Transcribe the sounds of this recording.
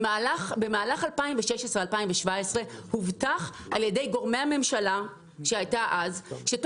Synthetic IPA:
alaχbe̞maːlaχalpaĩmveʃeʃesʁealpaimveʃvaesʁe̞huvtaχ | aljede̞jɡo̞ʁme̞ame̞mʃala | ʃeajtaʔazʃet

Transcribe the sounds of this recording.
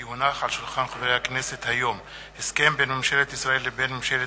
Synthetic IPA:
hunaχalʃulχanχavʁejhakneset̪hajo̞m | heskembenmamʃelet̪isʁaelːebenmamʃele

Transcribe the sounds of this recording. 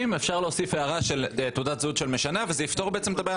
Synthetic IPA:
imefʃaʁleosifheaʁaʃelt̪ud̪at̪zud̪ʃelmeʃanavezeift̪o̞ʁbeet͡semt̪abaj

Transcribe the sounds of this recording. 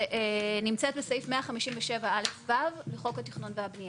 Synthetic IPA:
ʔenimt͡set̪̚besajifmeaχamiʃimveʃe̞vaalefvavleχo̞khat̪iχnunveabni

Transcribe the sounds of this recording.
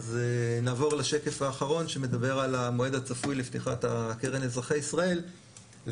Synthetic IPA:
zenaːvo̞ʁlaʃe̞ke̞faːχaʁo̞nʃeme̞d̪abe̞ʁalamo̞e̞d̪at͡safujleft̪iχat̪akeʁenezʁaχejisʁae̞l

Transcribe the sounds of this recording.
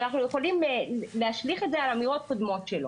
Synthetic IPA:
naχnujeχo̞limleaʃliχe̞t̪zealamiʁo̞t̪̚kod̪mo̞tʃelo

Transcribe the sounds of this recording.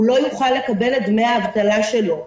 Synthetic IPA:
ulo̞juχalːe̞kabe̞led̪meaːvt̪alaʃe̞lo̞

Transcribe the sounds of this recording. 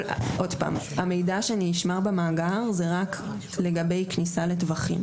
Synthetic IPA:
ʔo̞dpa̰mame̞jdaʃeaniniʃmaʁbemaːɡaʁzeʁak | le̞ɡabe̞jknisale̞tvaχḭm

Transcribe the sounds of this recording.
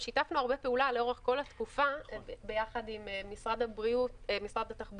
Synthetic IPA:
ʃitafnuaʁbepeulaleo̞ʁeχko̞lat̪kufabe̞jaχadimmisʁadabʁiutemisʁad̪at̪aχb

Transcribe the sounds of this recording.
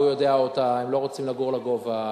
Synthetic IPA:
ujo̞d̪eaotaemlo̞ʁot͡simlaɡuʁlaɡova

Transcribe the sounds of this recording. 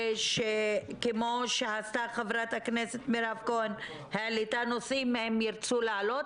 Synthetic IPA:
ʃekemoʃeast̪aχavɾat̪hakneset̪miɾavkoen | healit̪anosimhemjiɾt͡sulealot

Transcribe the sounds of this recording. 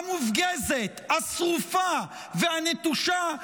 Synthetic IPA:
mufɡezet̪hasʁufa | vehanet̪uʃa

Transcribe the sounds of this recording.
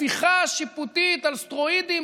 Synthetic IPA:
iχaʃiput̪it̪alst̪ʁoid̪i

